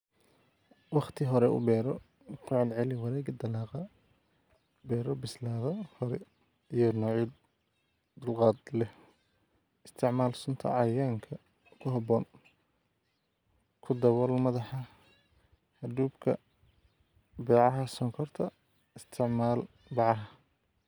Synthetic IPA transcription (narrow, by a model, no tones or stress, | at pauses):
wɑχt̪ʰɪɦɔɾɛʔʊ̰bɛːɾɔ | kʰʊʕɑlʕɛlɪwɑɾɛːɡɐd̪ɐlaːqɑ | bɛːɾɔbɪslaːðɐhɔɾɛ | ijɞnɔːʕid̪ | d̪ʊlqɑːd̪lɛh | ɪst̪ʰɪʕmaːlsʊnt̪ʰɐ̰ʕɑjaːŋkʰɐ | kʰʊɦɐbɔːn | kʰʊd̪ɐwɔlmɐðɑħɑ | hɐd̪uːbkʰɐ | bɛːʕɑɦɐsɔːŋkʰɔrt̪ʰɐ | ɪst̪ʰɪʕmaːl | bɑʕɑɦɐ